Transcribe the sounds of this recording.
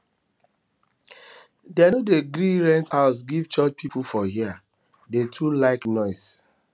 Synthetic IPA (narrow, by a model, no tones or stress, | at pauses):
dɛanodeɡɾiɹɛ̃nthaʊsɡivt͡ʃɔt͡ʃpʰipʰulfɔɦia | detʰulaɪknɔɪs